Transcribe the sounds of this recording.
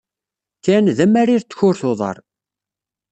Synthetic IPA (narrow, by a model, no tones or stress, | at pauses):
θinðæmːæɾiɾt̪ːə̥çʊɾθoðˤɑ̰ɾˤ